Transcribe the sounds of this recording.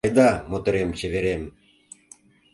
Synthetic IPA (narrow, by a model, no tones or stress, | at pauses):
jd̪ɑmot̪ĕɾemt͡ɕĕβeɾem